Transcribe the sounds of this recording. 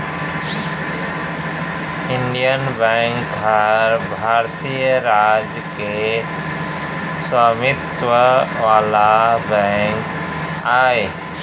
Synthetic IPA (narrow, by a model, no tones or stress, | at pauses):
ɪɳɖijənbɛŋkɡʱaɾbʱaːɾt̪ijəɾaːd͡ʒjəke | səmɪt̪ʋəʋaːlabɛ̃ŋk | aːe